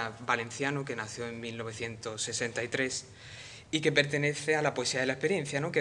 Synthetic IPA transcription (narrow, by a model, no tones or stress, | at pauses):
bale̞n̟θjanuke̞naθjo̞e̞ŋmilno̞β̞e̞θje̞nt̪o̞sːe̞se̞nt̪aijt̪ɾe̞s | ike̞pe̞ɾt̪e̞ne̞θe̞alapoesiaðe̞laespe̞ɾjẽ̞n̟θjano̞ke